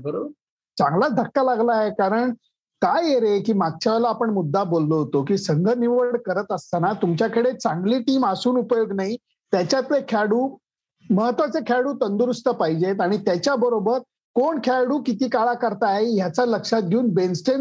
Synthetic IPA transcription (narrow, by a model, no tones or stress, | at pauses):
bə | t͡saŋɡlad̪ʱəkːalaɡlaɦekaɾəɳ | kajeɾekiːmaɡ̚t͡ɕaʋlaːpəɳmud̪ʱːabolːoɦot̪okiːsəŋɡʱəniʋəɽkəɾət̪əst̪anat̪umt͡ɕjakəɽet͡sãŋɡliːʈiːmasuːnupəjoɡnaɦi | t̪jat͡ɕjat̪ʋekʰaɽuː | məɦət̪ʋat͡sekʰaɽuːt̪ənd̪uɾust̪əpaɦid͡ʑet̪aɽ̃it̪jat͡ɕjabəɾobəɾ | koɳkʰaɽuːkit̪iːkaɭakəɾt̪aɦeɦjat͡saləkʂat̪̚ɡʱeuːnbensʈen